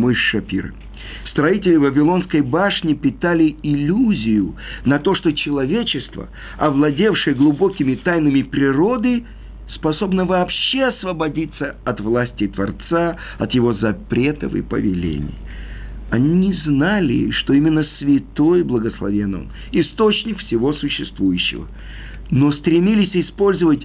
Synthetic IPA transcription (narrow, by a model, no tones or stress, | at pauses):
mojʂɐpʲḭɾ̰ | st̪ɾɐitʲɪlʲɪvəvʲɪlˠo̞nskəjbaʂnʲɪpʲɪt̪alʲɪɪlʲuzʲɪjʊnɐt̪o̞ʂt̪o̞t͡ɕɪlˠɐvʲet͡ɕɪst̪və̰ | ɐvlˠɐdʲe̞fʂɨjəɡlˠʊbo̞kʲɪmʲɪt̪ajnɨmʲɪpɾʲɪɾo̞d̪ɨ | spɐso̞bnəvɐːpɕːe̞ɐsvəbɐdʲit̪səɐt̪vlˠasʲtʲɪt̪vɐrt̪saɐt̪jɪvo̞zɐpɾʲe̞t̪ə̰fɨ̰pə̰vʲɪlʲḛnʲɪ̰j | ɐnʲinʲɪznalʲɪ̰ʂt̪o̞imʲɪnːəsvʲɪt̪ojblˠəɡəslˠɐ̰vʲenə̰m | ɪst̪o̞t͡ɕnʲɪkfsʲɪvo̞sʊɕːɪst̪vujʉɕːɪ̰və̰ | no̞st̪ɾʲɪmʲilʲɪsʲɪspo̞lʲzəvət̚ʲ